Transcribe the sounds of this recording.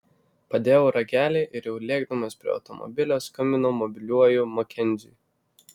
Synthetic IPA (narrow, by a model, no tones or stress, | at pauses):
pɐd̪ʲeːjʊːɾɐɡʲæːlʲɛɪʔɪɾjɛʊlʲeːɡd̪ɐmɐspʲɾʲḭːɐ̰ʊt̪ɔmɔ̰bʲɪlʲoːskɐmʲɪnoːmɔbʲɪlʲuɔjumokʲɛnʲˑzʲṵj